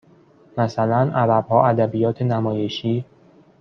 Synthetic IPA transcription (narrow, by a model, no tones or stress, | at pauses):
mæsælænʔæbæb̥hɒːʔæd̪æbijɒːt̪ʰenæmɒːje̞ʃiː